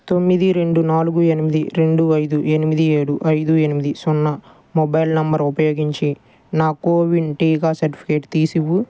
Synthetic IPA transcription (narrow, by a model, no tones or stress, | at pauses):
t̪o̞mːid̪iɾe̞ɳɖunaːluɡue̞nimid̪iɾe̞ɳɖuɐjd̪ue̞nimid̪ieːɽuʔɐjd̪ue̞nimid̪isɔnːɐ | mɔbɐjlnɐmbɐɾupɐjo̞ːɡiɲt͡ʃi | naːkoːʋiɳʈiːkaːsɐɾʈi̥pʰi̥keːʈt̪iːsiʋːu